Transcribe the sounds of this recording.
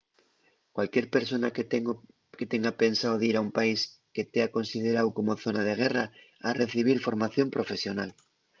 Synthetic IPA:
kwalkje̞ɾpe̞ɾso̞na | ket̪e̞ŋɡape̞nsawðiɾaumpaiske̞t̪eako̞nsið̞eɾawko̞mo̞θo̞nað̞e̞ɣ̞e̞ra | are̞θiβ̞iɾfo̞ɾmaθjo̞mpɾo̞fe̞sjo̞nal

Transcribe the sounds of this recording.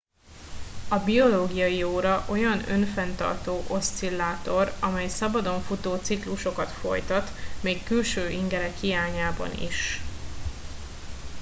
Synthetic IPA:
ɒbio̞loːɡijɒjioːɾɒʔo̞jɒnø̞̰nfɛnt̪ɒ̰rt̪oːʔo̞st̪silːaːt̪o̞ɾɒmɛjsɒbɒd̪o̞ɱfut̪oːt̪sikluʃo̞kɒt̪fo̞̰jt̪ɒt̪meːkːylʃøːʔiŋɡɛɾɛkhijaːɲaːbɒ̰nḭʃ

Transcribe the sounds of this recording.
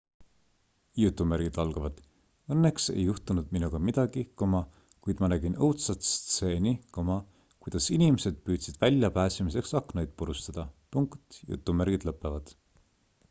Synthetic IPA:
jut̪ːˑumæɾɡ̥id̪̥ɑlɡ̥ɑvɑd̪̥ | ɤnːe̞kse̞̰jːuht̪unud̪̥minuɡ̥ɑmid̪̥ɑɡ̥ikomɑ | kujd̪mɑnæɡ̥inɤwt̪sɑt̪st̪seːnʲikomɑ | kujd̪̥ɑsinimese̞d̪̥̚pyːd̪̥sid̪̥vælʲjɑpæːsimise̞ksɑknojd̪̥̚puɾust̪ɑd̪̥ɑpuŋkt̪jṵt̪ːˑumæɾɡ̥id̪lɤpˑːevɑd̪̥

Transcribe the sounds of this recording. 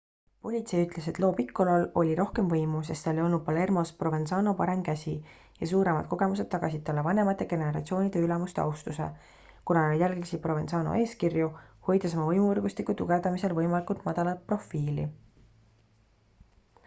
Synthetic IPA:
po̞lʲit̪se̞jyt̪ˑle̞se̞t̪loːpikːo̞lo̞lo̞lʲiɾʔo̞hke̞mvɤjmus̬e̞st̪t̪ɑlejo̞lnud̪̚pɑle̞rmo̞spro̞ve̞nsɑːno̞pɑɾe̞mkæsʲi | jɑsuːɾe̞mɑ̰d̪̥̚ko̞ɡ̥e̞mus̬e̞d̪̥̚t̪ːɑɡ̥ɑs̬ʲid̪̚t̪ɑlːevɑne̞mɑt̪ːˑe̞ɡ̥e̞neɾɑt̪sio̞ːnid̪̥e̞ylɛmust̪eɑ̰uwst̪usḛ | kunɑlijælɡmisipro̞ve̞nsɑːno̰ʔe̞ːskirjuho̞jd̪̥eso̞mɑvɤjmuɤrɡ̥ust̪ikːˑut̪uɡ̥e̞vd̪̥ɑmise̞lvɤjmɑlʲikˑult̪mɑd̪̥ɑlɑt̪̚pro̞fːiːlḭ

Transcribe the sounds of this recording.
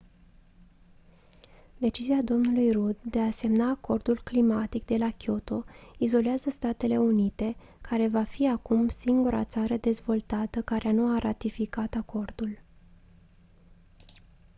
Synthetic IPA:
d̪e̞t͡ʃiziad̪o̞mnulujrud̪ːe̞ase̞mnaːko̞rd̪ulklimat̪ik̚d̪e̞lakʲo̞t̪o̞izo̞leazəst̪at̪e̞le̞unit̪e̞ | kaɾe̞vafiakumsiŋɡuɾa̰t̪saɾəd̪e̞zvo̞lt̪at̪əkaɾeanuaɾat̪ifikat̪ako̞rd̪ul

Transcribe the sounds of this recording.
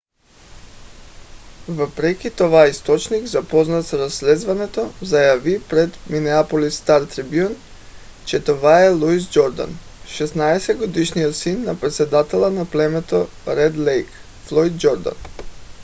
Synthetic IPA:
vəpɾɛkʲit̪ɔvaist̪ɔt͡ʃniɡzapɔznat̪sɾaslɛzvanɛt̪ozajavipɾɛd̪minɛapolist̪aɾt̪ɾibjun | t͡ʃɛt̪ovaɛlˠuis̬d͡ʒɔɾd̪a̰n | ʃɛsnaɛsɛd̪ɡod̪iʃniot̪sinːapɾɛt̪sɛd̪at̪ɛlˠanaplɛmɛt̪o | ɾɛd̪lɛjk | flˠɔjd̪d͡ʒɔɾd̪a̰n

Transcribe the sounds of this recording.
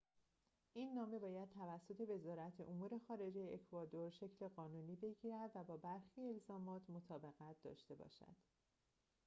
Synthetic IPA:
ʔinːɒːme̞bɒːjæd̪̚t̪ʰævæsːo̞t̪ʰe̞ve̞zɒːɾæt̪ʰeʔomuːɾe̞xɒːɾe̞d͡ʒe̞jeːkʰvɒːd̪o̞ɾʃe̞cʰle̞ɢɒːnuːniːbe̞ɟiːɾæd̪væbɒːbæɾxiːe̞lzɒːmɒːt̪ʰmo̞t̪ʰɒːbe̞ɣæt̪̚ʰd̪ɒ̰ːʃt̪e̞bɒ̰ːʃæ̰d̪̥

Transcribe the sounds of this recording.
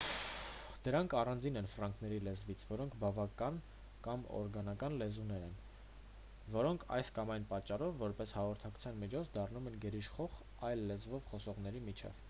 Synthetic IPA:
d̪̥əɾɑŋkʰɑrɑnd͡zinɛnfɾɑŋkʰnɛɾilɛzvit͡sʰvɔɾɔŋkʰbɑvɑkɑn | kɑmɔ̰ɾɡɑnɑkɑnlɛzunɛɾɛn | vɔɾɔŋkʰɑ̰jskɑmɑjnpɑt͡ʃːɑrɔvːɔɾpɛshɑʁɔɾt̪ʰɑku̥t͡sʰjɑnmit͡ʃʰɔt͡sʰd̪ɑrnumɛnɡɛɾiʃχɔʁ | ɑjlːɛzvɔvχɔsɔʁn̪ɛɾimit͡ʃʰɛ̰v̥

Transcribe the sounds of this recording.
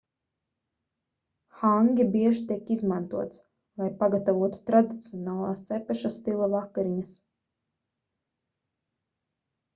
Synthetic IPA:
xaŋɡʲibiɛʒt̪iɛkizmant̪uɔt̪s | lˠajpaɡat̪avuɔt̪u̥t̪ɾad̪it̪siɔnaːlˠaːst̪sɛpɛʃast̪ilˠavakːaɾiɲas

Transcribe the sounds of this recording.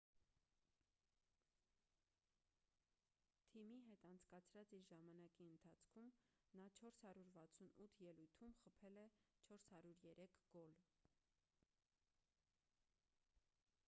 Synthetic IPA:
t̪ʰimiɦɛt̪ɑnt͡sʰkɑt͡sʰɾɑt͡siɾʒɑmɑnɑkiənt̪ʰɑt͡sʰkʰum | nɑt͡ʃʰɔɾshɑɾjuɾvɑt͡sʰunut̪ʰjɛlujt̪ʰumχəpʰɛlɛt͡ʃʰɔɾshɑɾjuɾjɛɾʔɛkʰɡ̥ɔl

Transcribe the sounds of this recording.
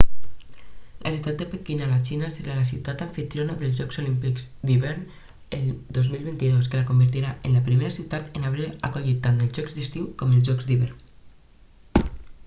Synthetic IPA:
lʔa̰siwt̪at̪d̪epekinalat͡ʃinaseɾalasiwt̪at̪aɱfit̪ɾjonaðelzʒɔkzolimpikzd̪iβɛɾn | end̪ozmilˠβint̪iðoskəlakombəɾt̪iɾaʔenlapɾimeɾasiwt̪at̪enaβɾia̰koʎit̪ːant̪elzʒɔkzd̪ist̪iwkɔmelzʒɔkzd̪iβɛɾn

